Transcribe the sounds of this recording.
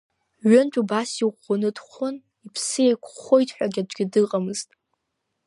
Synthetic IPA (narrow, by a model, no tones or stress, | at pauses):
ɥʊnt͡ʃʷʼubasiʁʷonɨdχʷon | ipʰsɨjejkʷʰχojtʰʼħʷᶣaɡʲad͡ʒʷɡʲɪdɨqʼamɨztʼ